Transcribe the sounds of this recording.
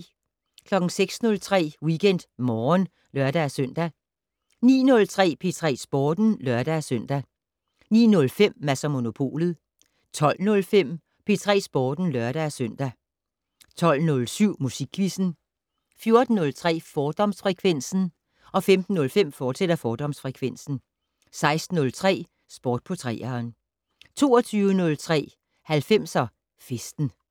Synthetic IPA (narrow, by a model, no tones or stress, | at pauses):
kʰlɒ̽ɡ̥ŋ̩seɡ̥snɔ̽lt͡sʰʁɛ̰ːwiɡ̥en̰d̥mɒːn | lɶɐd̥æsøn̰d̥æ | nḭːnɔ̽lt͡sʰʁɛ̰ːpʰe̝t͡sʰʁɛ̰ːsb̥ɒːd̥n̩lɶɐɾ̥dæsœn̰d̥æ | nḭːnɔ̽lfem̰ːæsæmo̝no̝pʰo̝̰ːlð̞̩ˠ | t͡sʰɒ̽l̰nɔ̽lfem̰ | pʰe̝t͡sʰʁɛ̰ːsb̥ɒːd̥n̩lɶɐɾ̥æsøn̰d̥æ | t͡sʰɒ̽l̰nɔ̽lsyʊ̰musiɡ̥ʰʋisn̩ | fjo̝ɐd̥n̩ːɔ̽lt͡sʰʁɛ̰ːfɒːd̥ɒ̽msfʁɛkʰʋen̰sn̩ | ʔɒ̽femd̥n̩ːɔ̽lfem̰fɒːsed̥ɐfɒːd̥ɒ̽msfʁɛkʰʋen̰sn̩ | sɑ̈ɪsd̥n̩ːɔ̽lt͡sʰʁɛ̰ː | sb̥ɒːd̥̚pʰɔt͡sʰʁɛ̰ːɐːn | t͡sʰo̝ːɒt͡sʰyːʊənɔ̽lt͡sʰʁɛ̰ː | hælfem̰sɒ | fesd̥n̩